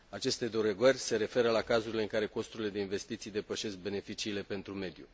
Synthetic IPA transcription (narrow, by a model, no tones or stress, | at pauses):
at͡ʃe̞st̪e̞d̪oɾeɡərʲse̞ɾe̞fe̞ɾəlakazuɾile̞ɨŋkaɾe̞ko̞st̪uɾile̞d̪e̞inve̞st̪it̪sijd̪e̞pəʃe̞sk̚be̞ne̞fit͡ʃiːle̞pe̞nt̪ɾume̞d̪jṵ